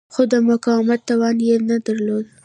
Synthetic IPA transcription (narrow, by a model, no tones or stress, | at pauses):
xod̪əmʊkɑwɪmat̪ːawɑnjenad̪aɾlod̪